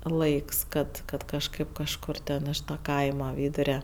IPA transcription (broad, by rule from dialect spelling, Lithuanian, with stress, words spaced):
ˈlˠɐɪks ˈkɐt kɐt kɐʃˈkɐɪp kɐʃˈkʊr tʲɛn ɪʃ tɐ ˈkɐɪmɐ ˈʋʲiːdʊrʲɛ